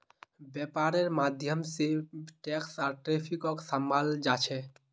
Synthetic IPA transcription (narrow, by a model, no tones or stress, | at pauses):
bjɛpaɾeɾmad̪ʱjəmseʈɛksaɾʈɾepʰikɔksəmbʱald͡ʒat͡ʃʰɛ